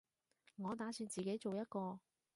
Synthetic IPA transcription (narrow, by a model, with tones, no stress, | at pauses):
ŋɔː˨˧t̪aː˨˧˥syː˨˧nt͡siː˨ke˨˥jt͡so˨wjɐ˥t̚kɔː˧